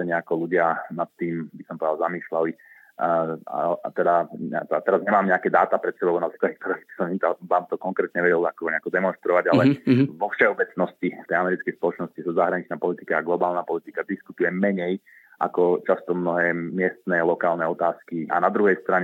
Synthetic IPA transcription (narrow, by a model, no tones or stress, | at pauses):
ɛɲɛakɔluɟɪanat̪ːiːmbisɔmpɔd̪alzamiːʃlali | a̰t̪ɛd̪at̪ɛat̪ɛɾazɲɛmaːmɲɛakɛd̪aːt̪apɾɛt̪sɛbɔlnapiklad̪ik̚t̪ɔɾɛbi̥sɔmit̪ɔʋaːmt̪ɔkɔŋkɾɛːt̪ɲɛʋɛɟɛlakɔɔɲɛakɔd̪ɛmɔnʃt̪ɾɔʋaɟalɛʋɔfʃɛɔbɛt͡snɔscift̪ɛjamɛɾitt͡skɛjspɔlɔt͡ʃnɔscisazaɦɾaɲit͡ʃnaːpɔlit̪ikaːɡlɔbaːlnapɔlit̪ikad̪iskut̪ujɛmɛɲɛj | ʔa̰kɔt͡ʃast̪ɔmnɔɦɛːmɪɛst̪nɛlɔkaːlnɛɔt̪aːskia̰nad̪ɾuɦɛjst̪ɾaɲɛ